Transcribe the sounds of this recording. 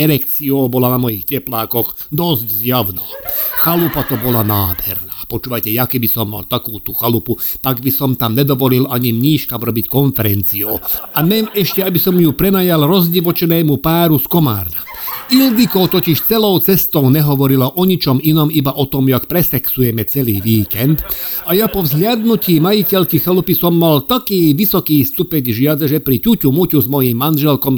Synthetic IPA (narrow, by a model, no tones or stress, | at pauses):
ɛɾɛkt͡siɔʊbɔlanamɔjixcɛplaːkɔɣ | d̪ɔzɟzjaʊnaːxalupat̪ɔbɔlanaːd̪hɛ̰ɾnaːpɔt͡ʃuːʋajcɛjakɛbisɔmːa̰lt̪akuːt̪uxaluput̪aɡbisɔmt̪amɲɛd̪ɔʋɔlilaɲimɲiːʃkamɾɔbickɔnfɛɾɛnt͡siɔ̰ʊamɛnɛʃcɛabisɔmjupɾɛnajalɾɔzɟiʋɔt͡ʃɛnɛːmupaːɾuskɔma̰ːɾnaʔild̪ikɔʊt̪ɔciʃt͡sɛlɔʊt͡sɛst̪ɔʊɲɛɦɔʋɔɾilɔʔɔɲit͡ʃɔminɔmibaʔɔt̪ɔmjakpɾɛsɛksujɛmɛt͡sɛliːʋiːkɛnd̪ajapɔvzɦʎʲɪad̪nuciːmajicɛʎkixɛlupisɔmːalt̪akiːʋisɔkiːst̪upɛɟʒɪad͡zaʒɛpɾicucumucuzmɔjimːanʒɛlkɔm